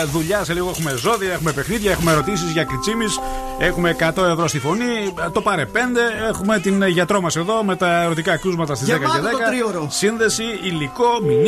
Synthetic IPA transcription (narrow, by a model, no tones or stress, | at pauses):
ðuʎɐseliɣo̞exume̞zo̞ðiɐe̞xumepe̞xniðʝɐe̞xumeɾo̞t̪isizʝɐkɾit͡simis | e̞xume̞kɐt̪o̞e̞vɾo̞st̪ifo̞nit̪o̞pɐɾepe̞nd̪e̞exume̞t̪inʝɐt̪ɾo̞mɐseðo̞me̞t̪ɐeɾo̞t̪ikɐkɾuzmɐt̪ɐst̪izðekɐeðekɐɾiɾosinðe̞siiliko̞min